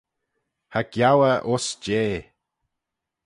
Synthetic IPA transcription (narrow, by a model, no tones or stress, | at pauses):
haɡ̥jawəʔosd͡ʒeː